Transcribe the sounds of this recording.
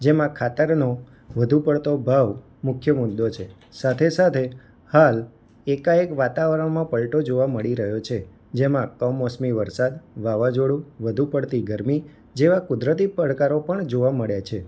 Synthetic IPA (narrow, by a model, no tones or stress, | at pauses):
d͡ʒemãkʰat̪əɾno | ʋəd̪ʱupəɽt̪obʱaʋ | mʊkʰjəmʊd̪ot͡ʃʰe | sat̪ʰesat̪ʰe | hal | ekaekʋat̪aʋɾəɳmãpəlʈod͡ʒoʋaməɭiɾəɦjot͡ʃʰe | d͡ʒemãkəmɔsmiʋəɾsad̪ʋaʋad͡ʒoɽuʋəd̪ʱupəɽt̪iɡəɾmi | d͡ʒeʋakʊd̪ɾət̪̬ipəɽkaɾopəɳd͡ʒoʋaməɭjat͡ʃʰe